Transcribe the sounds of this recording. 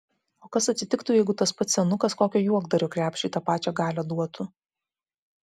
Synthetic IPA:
oːkɐsɐt̪ʲsʲɪt̪ʲɪkt̪ʊjɛɪɡʊt̪ɐspɐt̪sʲɛnʊkɐskoːkʲoːjuɔɡd̪ɐɾʲoːkɾʲæːpʲʃʲiːt̪ɑpɑːt͡ʃʲɛːɡɑːlʲɛd̪uɔt̪ʊ

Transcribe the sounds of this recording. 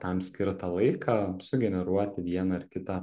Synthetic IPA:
t̪ɐmsʲkʲɪɾt̪ɐlˠɐɪkʰɑsʊɡʲɛnʲɛɾuɔt̪ʲɪʋʲiɛnɐɪɾkʲɪt̪ɐ

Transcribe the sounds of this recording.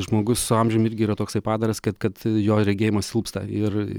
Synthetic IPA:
ʒmoːɡʊssʊɐmʲʒʲʊmɪɾʲɡʲɪiːɾɐt̪oːksɐɪpɑːd̪ɐɾɐskɐt̪kɐt̪joːɾʲɛɡʲeːjɪmɐssʲɪlˠpst̪ɐ̰ɪr

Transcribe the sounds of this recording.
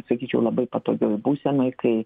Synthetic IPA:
sɐkʲiːt͡ʃʲɛʊlˠɐbɐɪpɐt̪o̰ːɡʲoːjbuːsʲɛnoːjkɐɪ

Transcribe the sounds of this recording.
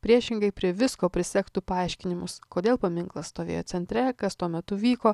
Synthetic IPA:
pʲɾʲiɛʃʲɪŋɡɐɪpʲɾʲiɛʋʲɪskoːpʲɾʲɪsʲɛkt̪upɐɐˑɪʃʲkʲɪnʲɪmʊskoːd̪ʲeːlˠpɐmʲɪŋklˠɐsst̪oːʋʲḛːjoːt̪ʲɛnʲt̪ʲɾʲɛkɐst̪uɔmʲɛt̪ʊʋʲiːkoː

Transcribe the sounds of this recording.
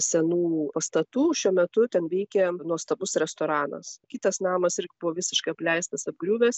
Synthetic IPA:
sʲɛnuːpɐst̪ɐt̪uːʃʲuɔmʲɛt̪ʊt̪ʲɛnʋʲɛɪkʲɛnuɔst̪ɐbʊsɾʲɛst̪oːɾɑːnɐ̰skʲit̪ɐsnɑːmɐsɪɾʲɡʲɪbʊʋɔʋʲɪsʲɪʃkɐɪɐplʲɛɪst̪ɐsɐb̚ɡɾʲuːʋʲes

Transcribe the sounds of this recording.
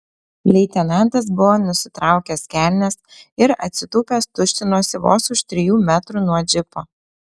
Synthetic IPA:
lʲɛɪt̪ʲɛnɑnˑt̪ɐs̬bʊʋoːnʊsʲɪt̪ɾɑˑʊkʲɛskʲæˑlʲnʲɛsɪɾɐ̰t̪ʲsʲɪt̪uːpʲeːst̪ʊʃʲt̪ʲɪnoːsʲɪʋo̰ːsʊʃt̪ʲɾʲɪjuːmʲæt̪ɾuːnuɔd͡ʒʲɪpoː

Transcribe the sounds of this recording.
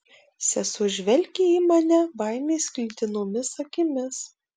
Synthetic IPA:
sʲɛsʊʒʲʋʲɛlʲkʲiiːmɐnʲɛbɐɪmʲeːskʲlʲɪt̪ʲɪnoːmʲɪsɐkʲɪmʲɪs

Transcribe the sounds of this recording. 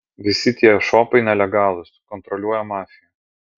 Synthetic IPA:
ʋʲɪsʲɪt̪ʲiɛʃoːpɐɪnʲɛlʲɛɡɑːlˠʊskɔnt̪ɾɔlʲuɔjɛmɑːfʲɪjɛ

